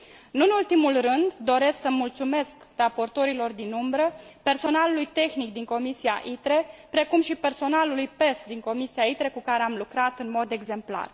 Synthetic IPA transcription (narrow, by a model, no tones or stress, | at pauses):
ɨnɨnult̪imulrɨnd̪d̪o̞ɾe̞sksəmult̪sume̞sk | rapo̞rt̪o̞ɾilo̞rd̪inumbɾəpe̞rso̞nalulujt̪e̞xnik̚d̪iŋko̞misia̰ʔit̪ɾe̞pɾe̞kumʃipe̞rso̞nalulujpe̞sd̪iŋko̞misiait̪ɾe̞kukaɾe̞amlukɾat̪ɨnmo̞d̪e̞ɡze̞mpla̰r